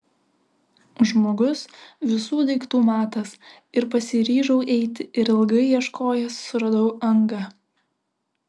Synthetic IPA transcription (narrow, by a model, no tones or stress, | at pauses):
ʒmoːɡʊsʋʲɪsuːd̪ʲɛɪkt̪uːmɑːt̪ɐs | ɪɾpɐsʲɪɾʲiːʒɐʊʔɛɪt̪ʲɪʔɪɾɪlˠɡɐɪjiɛʃkoːjɛsːʊɾɐd̪ɐʊɐŋɡɐ